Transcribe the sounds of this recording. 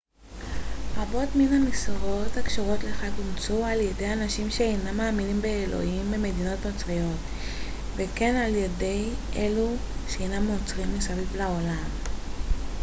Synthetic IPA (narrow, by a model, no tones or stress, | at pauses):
habo̞tminamisiʁo̞takʃoʁo̞tleχaɡumt͡sualjede̞janaʃimʃeejnamːaːminimbeelo̞̰imbe̞me̞dino̞tnot͡sʁijo̞t | veke̞nalje̞de̞jʔeluʃeejnamːot͡sʁimːesavivlao̞lam